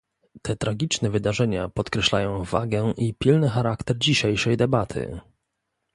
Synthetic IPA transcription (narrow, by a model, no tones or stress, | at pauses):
t̪ɛt̪ɾaɡʲit͡ʂnɛvɘd̪aʐɛɲapɔt̪kɾɛɕlajɔ̃w̃va̰ɡɛʔipʲilnɘxaɾakt̪ɛɾd͡ʑiɕejʂɛjd̪ɛbat̪ʰɘ̰